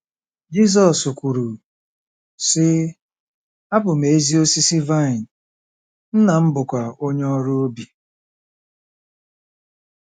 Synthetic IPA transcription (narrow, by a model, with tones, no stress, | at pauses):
d͡ʒi˦s̬ɔ˨su˨kʷu˨ɾu˨ | sɪ˦ | a˦bʊ˨m̩e˨e˦zi˦o˦si˦si˦va˦˨ɪ˨n̩˨ | n̩˦na˨m̩˦bʊ˨kʷa˨o˦ɲe˦ɔ˦ɾʊ˦o˦bi˨